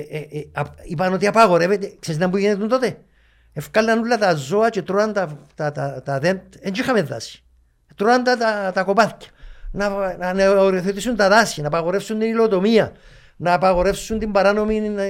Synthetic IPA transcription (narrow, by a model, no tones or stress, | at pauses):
ipɐno̞t̪iɐpɐɣo̞ɾe̞vet̪ekseznɐmbuʝenet̪unt̪ot̪e̞ | efkɐlːɐnulːɐt̪ɐzo̞ɐt͡ʃet̪ɾoɐnt̪ɐt̪ɐt̪ɐt̪ɐðent̪eɲd͡ʒixɐmeðːɐ̰sçi̥ | t̪ɾoɐnd̪ɐt̪ɐt̪ɐko̞pɐθcɐ̥nɐɐneoɾiθet̪isunt̪ɐðɐsçinɐːpɐɣo̞ɾe̞fsunt̪inilot̪o̞miɐ | nɐːpɐɣo̞ɾe̞fsunt̪imbɐɾano̞min